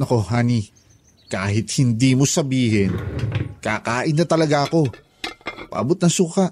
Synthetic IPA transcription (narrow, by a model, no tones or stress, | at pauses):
ɐko̞haːni | kaːhɪt̪̚hɪnd̪iːmosɐbiːhɛnkaːkaːʔɪnːɐt̪ɐlɐɡaɐko̞ | pɐ̰ʔɐbot̪nɐŋsuːkɐʔ